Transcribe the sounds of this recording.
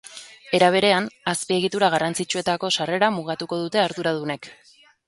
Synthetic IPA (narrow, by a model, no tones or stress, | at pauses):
e̞ɾaβ̞e̞ɾe̞anaspie̞ɣ̞it̪uɾaɣ̞arant͡sit͡ʃue̞t̪ako̞sare̞ɾamuɣ̞at̪uko̞ðut̪e̞aɾðuɾað̞une̞k